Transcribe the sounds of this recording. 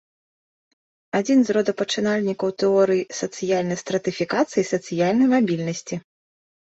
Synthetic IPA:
ad͡zʲinzrɔd̪ɐpɐt͡ʂɨnalʲnʲikɐwt̪ɛɔɾɨjisɐt̪sɨjalʲnɐjst̪ɾɐt̪ɨfʲikat̪sɨjisɐt̪sɨjalʲnɐjmabʲilʲnɐsʲt͡sʲi

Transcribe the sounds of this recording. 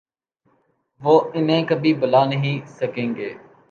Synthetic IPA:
ʋoːɪnɦẽːkəbʱiːbʊlaːnəɦĩsəkẽːŋɡeː

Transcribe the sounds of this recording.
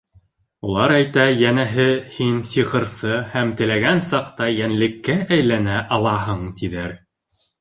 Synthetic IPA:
ulˠɑɾæjt̪æjænæɦɘhinsiqɤ̆ɾsɤhæmt̪ɘ̆læɡænsɑqt̪ɑjænlɘ̆kːæʔæjlænæʔɑlˠɑɦɤɴt̪ʰiðæɾ

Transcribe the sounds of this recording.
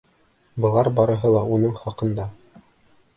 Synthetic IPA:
bɤ̆lˠɑɾbɑɾɤ̆ɦɤlˠɑunɤɴχɑqɤ̆nd̪ɑ

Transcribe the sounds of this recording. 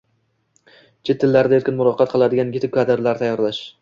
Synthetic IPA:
t͡ʃʰɪt̪ʰːɪlːaɾd̪aeɾkʲɪnmʊɾɒqʰːɑt̪̚qʰɨlˠad̪ɪɡʲanɡʲɪt̪ʰɪkʲad̪ɪɾlaɾt̪ʰajːɒɾlaʃ

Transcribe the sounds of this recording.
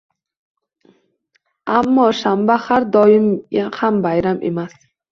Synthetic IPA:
amːɒʃambahaɾd̪ɒjɪmahambajɾamʔḛmas

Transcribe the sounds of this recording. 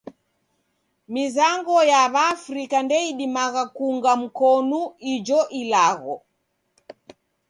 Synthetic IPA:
mizaŋɡɔjaβaːfɾikandɛiɗimaɣakuŋɡam̩kɔnuid͡ʒɔʔilaɣɔ

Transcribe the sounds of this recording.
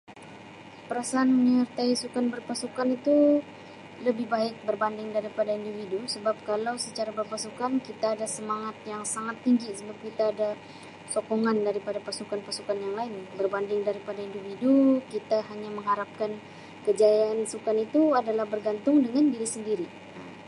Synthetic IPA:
pəɾasaʔːnmənərt̪aisukanbərpasukanit̪u | ləbɪhbaɪk̚bərbandɪŋdaɾipadaindividusəbap̚kalawsət͡ʃaɾabərpasukankit̪aːdasəmaŋat̪̚jaŋsaŋat̪ːiŋɡisəbap̚kit̪aːda | sokoŋandaɾipadapasukanpasukanjaŋlaɪnbərbandɪŋdaɾipadaindividukit̪aɦaɲaməŋɦaɾap̚kan | kəd͡ʒajaansukanit̪uadalahbərɡant̪ʊŋdəŋandiɾisəndiɾi | a

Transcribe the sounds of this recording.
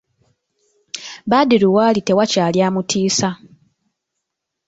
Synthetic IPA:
βaːdiɾuwaːlite̞wacaːljaːmutʰiːsa

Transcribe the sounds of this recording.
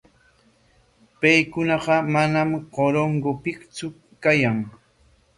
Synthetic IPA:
pajkʊnɑɢɑmanamqoɾoŋɡopɪkt͡sʊ | kajaŋ

